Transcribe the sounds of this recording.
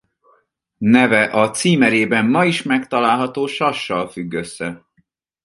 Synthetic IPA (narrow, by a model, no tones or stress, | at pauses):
nɛvɛʔɒt̪siːmɛɾeːbɛmːɒiʃmɛkt̪ɒlaːlɦɒt̪oːʃɒʃːɒlfyɡːøsːɛ